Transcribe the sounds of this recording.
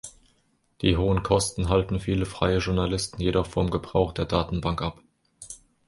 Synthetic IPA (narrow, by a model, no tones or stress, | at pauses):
d̥iːɦoːənkʰɔstn̩ɦaltn̩fiːləfʁ̥a̰ɪəʒʊɐnalɪstn̩jedɔχfɔmɡəbʁaʊχd̥eːɐdaːtn̩baŋkʔap